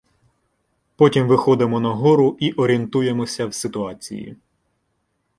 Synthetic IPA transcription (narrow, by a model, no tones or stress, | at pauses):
pɔtʲimʋɪxɔd̪emɔnɐɦɔɾʊʔiʔɔɾʲint̪uje̞mɔsʲɐwsɪt̪ʊɑt͡sʲḭjḭ